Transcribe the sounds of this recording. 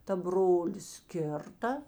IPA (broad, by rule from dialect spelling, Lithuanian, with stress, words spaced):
tɐ ˈbroːlʲɪs ˈkʲɪrtɐ